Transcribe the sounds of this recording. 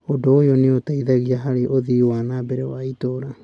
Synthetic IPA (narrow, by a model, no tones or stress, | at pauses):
odojoniotajdaɡiaɦaɾiʔodioanabeɾeo̰ajtoɾa